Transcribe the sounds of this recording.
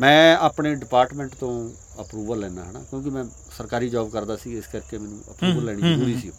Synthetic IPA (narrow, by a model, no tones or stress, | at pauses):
mɛ̃ːaːpɳeːɖɪpaːɾʈmɛ̃ːɳʈt̪õː | əpɾuːbəɾlːɛːna̰ːɦəna̰ːkjõːkɪmɛ̃ː | səɾkaːɾiːd͡ʒaːbkəɾd̪aːsiːɪskəɾkeːmɛːnṵ̃ːʔə̰pɾuːbəɾlɛːɽ̃izəɾuːɾiːsioː